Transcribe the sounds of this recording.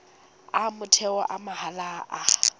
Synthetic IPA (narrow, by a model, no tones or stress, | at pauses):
amʊtʰɛɔʔamahalaʔa